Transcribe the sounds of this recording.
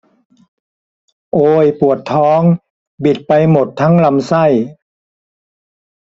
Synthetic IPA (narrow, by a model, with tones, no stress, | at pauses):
ʔoː˧jpu˨˩ət̪ʰːɔː˦˥ŋ | bi˨˩t̪̚pa˧jmo˨˩t̪ʰːa˦˥ŋla˧msa˥˩j